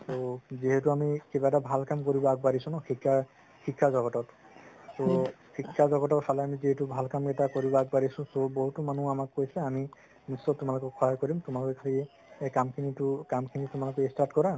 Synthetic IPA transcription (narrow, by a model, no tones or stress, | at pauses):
soziɦɛtuamikibaɛtabʱalkamkoɹibɔaɡ̚baɹisũnɔxʰika | xʰikʰːazɔɡɔtɔt | sokʰikʰːazɔɡɔtɔtsʰalɛamiziɦetubʱalkamkɛtakoɹibɔaɡ̚baɹisʊ̃soboɦutɔmanũamakːojsɛami | nisːɔtʊmalɔkɔkkʰɔɦakɔɹimtʊmalokɛkʰali | ekamkʰinitʊkamkʰinitʊmalokɔestatkɔɹa